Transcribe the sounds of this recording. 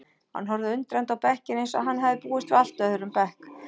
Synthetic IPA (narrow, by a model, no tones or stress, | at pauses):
ha̰nːɦɔɾðɪʏnt̪ɾɛjnt̪awpɛhcɪnejnsa̰ðɦanːɦɛvðɪpuːɪst̪vɪal̥t̪œθʏɾʏmpɛhk